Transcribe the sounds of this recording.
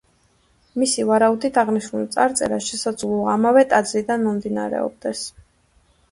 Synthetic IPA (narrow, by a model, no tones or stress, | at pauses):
misivaɾaud̪it̪ʰaʁniʃnult̪sʼaɾt̪sʼɛ̰ɾaʃɛsad̪zʁlˠuaːmavɛt̪ʼad̪zlid̪anmɔmd̪ina̰ɾɛ̰ɔ̰b̚d̪ɛs